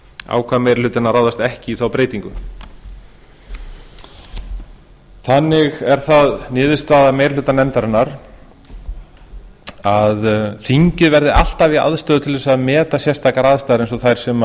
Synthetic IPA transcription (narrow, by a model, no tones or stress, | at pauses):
a̰ːwkʰvaːðmejɾl̥ʏːt̪ɪnaɾrawðast̪ɛhcɪiθawpɾeːjt̪iŋkʏ | θanːɪɣɛɾ̥θaðnɪːðɪst̪aːðamejɾlʏːt̪anɛmt̪aɾɪnːaɾ̥ | aðθiɲcɪðvɛɾðɪa̰l̥t̪avia̰ðst̪œːðt̪ʰɪlvɛsaðmɛːt̪asjɛst̪ʰaːkaɾaðst̪aðɾejnsɔθajɾ̥sɛma